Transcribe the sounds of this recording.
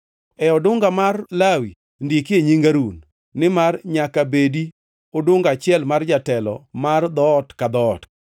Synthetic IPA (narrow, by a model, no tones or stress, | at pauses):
ɛɔdʊŋɡamarlawi | ndikeɲiŋɡaɾunː | ɪmarɲakabedi | odʊŋɡat͡ʃɪɛlmard͡ʒatɛlɔ̰mard̪ɔtkad̪ɔt